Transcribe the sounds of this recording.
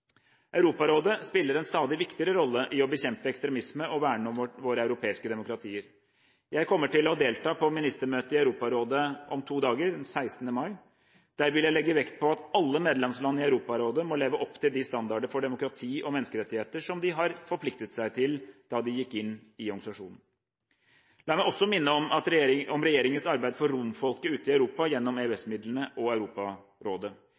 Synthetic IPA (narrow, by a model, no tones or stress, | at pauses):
ʔœʉɾuːpɑɾoːd̪əspɪlːəɾɛnst̪ɑːd̪ɪʋɪkt̪ɪəɾəɾɔlːəʔɪɔbəçɛmpəɛkst̪ɾɛmɪsməʔɔʋæːɳɔmɔʋoːɾəɑʉɾʊpʰeːɪskəd̪ɛmʊkɾɑt̪ʰiːəɾ | jæɪkʰɔmːəʈɪlɔd̪eːlt̪ʰɑːpʰɔmɪnɪst̪əmøːt̪əɪɑʉɾuːpɑɾoːd̪əʔɔmt̪ʰuːd̪ɑːɡəɾdɛnsæɪst̪nəmɑɪ | d̪̥æːɾʋɪljæɪlɛɡːəʋɛkt̪̚pʰɔɑt̪ɑlːəmeːd̪lɛmslɑnːəɾɪɑʉɾuːpɑɾoːd̪əmɔleːʋəʔɔpːt̪ʰɪld̪ɪst̪ɑnd̪ɑɖəfɔɖɛmʊkɾɑt̪ʰiːʔɔmɛnəskəɾɛt̪ːɪheːt̪əʂɔmd̪ɪɦɑɾfɔɾpʰlɪk̚t̪ət̪sæɪt̪ʰɪld̪̥ɑd̪ɪjɪkːɪnːɪɔɾɡɑsɑʂṵːnn̩ | lɑːmæɪɔsːɔmɪnːəɔmɑt̪ɔmɾɛjeːɾɪŋənsɑɾbæɪd̪fɔɾɾʊmfɔlkəʉːt̪əɪɑʉɾuːpɑjɛnːɔmeʉɛsmɪd̪lənəʔɔæʉɾuːpɑ | ɾoːd̪ə